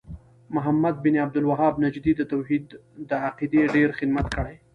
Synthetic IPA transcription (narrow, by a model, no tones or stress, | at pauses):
mʊɦamad̪̚bɪniab̚d̪ʊlwaɦɑbnad͡ʒd̪id̪ət̪awɦid̪ːəaqid̪eɖeɾxɪd̪mat̪kəɽaj